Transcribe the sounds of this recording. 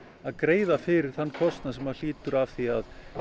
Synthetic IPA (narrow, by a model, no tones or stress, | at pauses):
aðkɾeːjðafɪɾɪɾ̥θanːkʰɔst̪nas̬ɛmvaɾ̥l̥iːt̪ʏɾav̥θiað